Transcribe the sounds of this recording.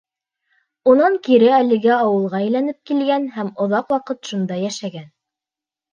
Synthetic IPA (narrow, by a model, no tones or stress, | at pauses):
unɑŋkiɾɘælɘ̆ɡæɑwɤ̆lˠʁɑɘ̆jlænɘp̚kilɡænhæmŏðɑqwɑqɤt̪ʃund̪ɑjæʃæɡæn